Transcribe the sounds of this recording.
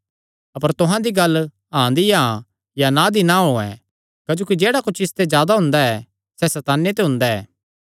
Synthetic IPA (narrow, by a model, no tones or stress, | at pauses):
ɐpəɾt̪ʊɦãd̪iɡɐl | ɦãd̪ijã | janãd̪inaɦoːɛ̰ː | kːd͡ʒoːkid͡ʒeːɽakʊt͡ʃʰɪst̪ed͡ʒjaːd̪aɦʊ̃nd̪aɛ | sɛsɛt̪aːnet̪̬eɦʊ̃nd̪aɛː